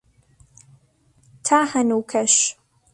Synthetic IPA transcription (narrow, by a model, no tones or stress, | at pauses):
tʰaːħɐnwkʰɐʃ